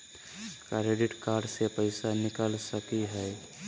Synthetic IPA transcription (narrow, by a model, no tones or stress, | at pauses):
kaɾeɖɪʈkaːɾɖsepəɪsanɪkəlsəkiɦɛɛ